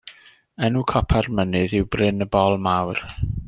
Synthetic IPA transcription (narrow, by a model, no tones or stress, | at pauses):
ɛnukʰɔpʰarmənɨðɪwbrɪnəbɔlˠmawr